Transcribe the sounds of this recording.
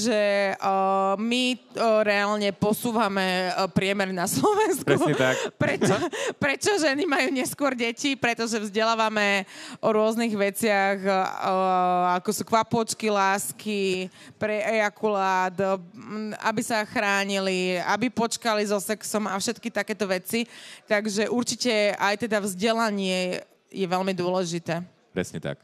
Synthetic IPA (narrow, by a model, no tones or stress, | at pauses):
ʒɛ | miɾɛalɲɛpɔsuːʋamɛpɾɪɛmɛɾnaslɔʋɛnskupɾɛt͡ʃɔpɾɛt͡ʃɔʒɛnimajuːɲɛskʊɔɾɟɛcipɾɛt̪ɔʒɛvzɟɛlaːʋamɛʔɔɾʊɔzniɣʋɛt͡sɪaɣ | akɔsukʋapɔt͡ʃkilaːski | pɾɛʔɛjakulaːt̪ | a̰bisaxɾaːɲiliabipɔt͡ʃkalizɔsɛksɔmafʃɛt̪kit̪akɛːt̪ɔʋɛt͡sit̪aɡʒɛʔuɾt͡ʃicɛajt̪ɛd̪avzɟɛlaɲɪɛ | jɛʋɛlmid̪ʊɔlɛʒit̪ɛː | pɾɛ̰sɲɛt̪a̰k